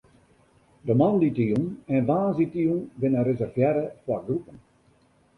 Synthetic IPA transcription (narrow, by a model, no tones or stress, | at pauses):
dəmanditiunɛ̃ndaːzitiunbɪnərezɛrvjɛɾəfwarɡrupən